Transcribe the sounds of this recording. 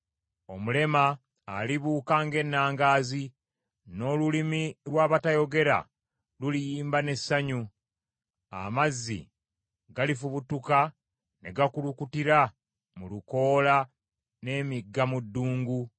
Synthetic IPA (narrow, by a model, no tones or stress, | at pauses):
o̞mule̞maː | liβuːkaːŋɡe̞nːaːŋɡaːzi | no̞ːlulimiɾwaːβatajoɡe̞ɾa̰ | lulijiːmbane̞sːaɲu | a̰mazːḭ | ɡalifuβutuka | ne̞ɡakulukutiɾa | muluko̞ːla | ne̞ːmiɡːamudːuːŋɡu